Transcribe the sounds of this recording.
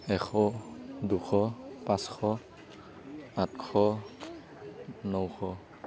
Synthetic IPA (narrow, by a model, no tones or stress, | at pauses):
ɛxʰɔduxʰɔpãskʰɔ | atkʰɔ | nɔwxʰɔ